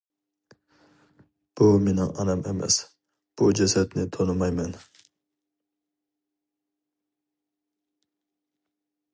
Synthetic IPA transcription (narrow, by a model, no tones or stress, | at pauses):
b̥umenɪŋɑ̰nɛmemɛ̰s | b̥ud͡ʒɛsɛt̪nɪt̪ʰonɨmɑjmɛn